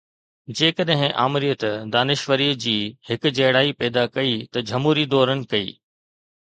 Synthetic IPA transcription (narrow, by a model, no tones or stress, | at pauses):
d͡ʑeːkɐɗɦɪ̃ʔa̰ːmɪɾijət̪d̪aːnɪʃʋəɾiːd͡ʑiːhɪkʊ̆d͡ʑɐɽaːipɛːd̪akɐit̪ɐd͡ʑʱɐmuːɾid̪ɔːɾənɪ̆kɐḭː